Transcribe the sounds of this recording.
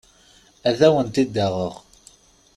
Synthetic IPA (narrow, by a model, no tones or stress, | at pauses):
æðæwənt̪id̪ːæʁəʁ